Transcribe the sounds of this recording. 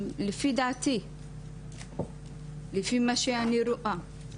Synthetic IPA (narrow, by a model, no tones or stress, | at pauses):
lifid̪at̪i | lifimaʃianiɾʊʔa